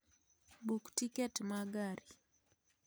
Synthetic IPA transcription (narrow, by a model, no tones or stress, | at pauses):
buktikɛtmaɡaɾi